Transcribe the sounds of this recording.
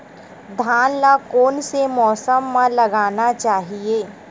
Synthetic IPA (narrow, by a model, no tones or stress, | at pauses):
d̪ʱaːnlakoːnsemɔːsəmːãlɐɡaːnat͡ʃaːɦieː